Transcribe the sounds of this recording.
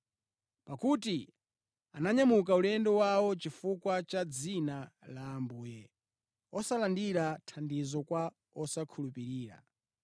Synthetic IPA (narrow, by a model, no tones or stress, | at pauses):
pakuti | anaɲamukaulɛndɔwawɔt͡ʃifukwat͡ʃad͡zinalaːmbuːjɛ | ɔsalandiɾatʰandizɔkwa | ɔsakʰulupiɾiːɾa̰